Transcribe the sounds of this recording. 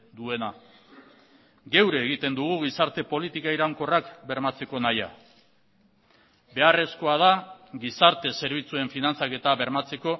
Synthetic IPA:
d̪ue̞na | ɡe̞wɾe̞ːɣit̪e̞nd̪uɣ̞uɣ̞isaɾt̪e̞po̞lit̪ikaiɾaŋko̞rakbe̞ɾmat͡se̞ko̞naja̰ | be̞are̞sko̞að̞aɡisaɾt̪e̞se̞ɾβ̞it͡sue̞ɱfinant͡sake̞t̪aβe̞ɾmat͡se̞ko̞

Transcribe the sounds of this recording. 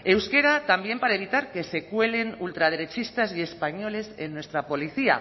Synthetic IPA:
e̞wske̞ɾat̪ambje̞mpaɾae̞β̞it̪aɾke̞se̞kwe̞le̞nult̪ɾað̞eɾe̞t͡ʃist̪azie̞spaɲo̞le̞senːwe̞st̪ɾapo̞liθia̰

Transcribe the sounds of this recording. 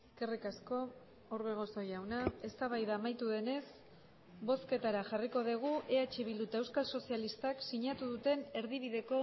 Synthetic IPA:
ike̞rikasko̞ | oɾβeɣ̞o̞so̞jawnae̞st̪aβajðaːmajt̪uðe̞ne̞s | bo̞ske̞t̪aɾaʝariko̞ðiɣ̞uʔe̞at͡ʃeβild̪ut̪ae̞wskalso̞sialist̪aksiɲat̪uðut̪e̞ne̞ɾðiβ̞iðe̞ko̞

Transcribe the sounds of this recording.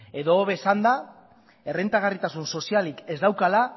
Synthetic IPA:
e̞ðo̞ːβe̞sand̪a | e̞rent̪aɣ̞arit̪asunso̞sialike̞zd̪awkala

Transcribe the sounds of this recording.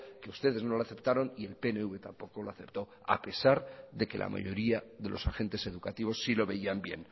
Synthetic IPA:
ke̞ust̪e̞ðe̞zno̞laθe̞pt̪aɾo̞nie̞lpe̞ne̞uβe̞t̪ampo̞ko̞loaθe̞pt̪o̞ | a̰pe̞saɾðe̞ke̞la̰mʔa̰ʝo̞ɾiaðe̞lʔo̞̰saxe̞nt̪e̞se̞ðukat̪iβ̞o̞sːilo̞βe̞iambje̞̰n

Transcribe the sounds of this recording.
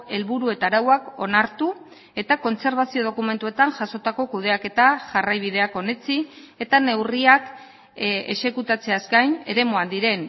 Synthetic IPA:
e̞lβuɾue̞t̪aɾawako̞naɾt̪u | e̞t̪ako̞nt͡se̞ɾβ̞asio̞ð̞okume̞nt̪ue̞t̪aŋʝaso̞t̪ako̞kuð̞e̞ake̞t̪aʝarajβ̞iðe̞ako̞ne̞t͡sie̞t̪ane̞wriak | e̞se̞kut̪at͡se̞askajne̞ɾe̞moand̪iɾe̞n

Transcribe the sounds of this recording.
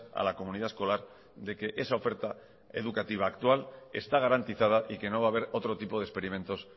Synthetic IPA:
a̰lako̞mũniðae̞sko̞laɾ | ðe̞ke̞ʔe̞sao̞fe̞ɾt̪a | e̞̰ð̞ukat̪iβ̞aːkt̪wale̞̰st̪aɣ̞aɾant̪iθað̞aʔike̞no̞β̞aːβe̞ɾo̞t̪ɾo̞t̪ipo̞ð̞espe̞ɾimẽ̞nt̪o̞s

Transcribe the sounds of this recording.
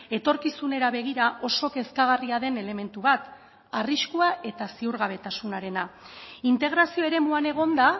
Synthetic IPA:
e̞t̪o̞ɾkisune̞ɾaβe̞ɣ̞iɾaʔo̞so̞ke̞skaɣ̞ariaðe̞ne̞le̞me̞nt̪uβat̪ | ariskuaʔe̞t̪asiuɾɣaβ̞e̞t̪asunaɾe̞na | int̪e̞ɣ̞ɾasio̞e̞ɾe̞muane̞ɣ̞o̞nd̪a

